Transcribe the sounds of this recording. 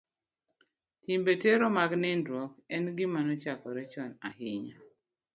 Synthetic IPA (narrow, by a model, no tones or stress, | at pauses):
timbeteɾɔmaɡnɪndɾɔkɛnɡɪmanɔt͡ʃakɔɾɛt͡ʃɔnahɪɲa